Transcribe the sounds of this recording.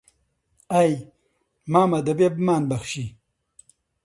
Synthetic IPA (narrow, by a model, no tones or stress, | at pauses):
aj | maːmɐd̪ɐbebmaːnbɐxʃi